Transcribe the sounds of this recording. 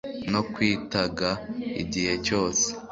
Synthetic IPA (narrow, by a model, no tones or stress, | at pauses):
no̞kwiːtaɡaḭɟihe̞co̞ːse̥